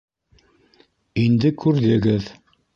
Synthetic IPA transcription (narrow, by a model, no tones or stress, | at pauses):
ind̪ɘkʉɾðɘ̆ɡɘð